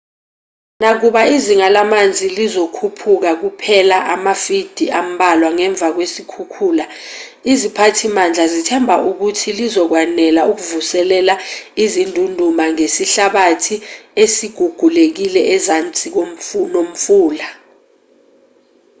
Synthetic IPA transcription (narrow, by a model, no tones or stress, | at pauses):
nak̬uɓaiziŋalamand͡zʱilizokʰupʰuk̬ak̬upʰɛlaʔamafid̥ʱiʔam̩ɓalwaŋɛɱb̪vʱak̬wesikʰukʰuːla | izipʰatʰimand͡ɮʱazitʰɛmbʱaʔuk̬utʰilizɔk̬wanɛlauk̬uvusɛlɛlaizindʱundʱumaŋesiɬaɓatʰiesiɡ̥ʱuɡ̥ʱulek̬ilɛɛzant͡sʼik̬omnom̩fuːla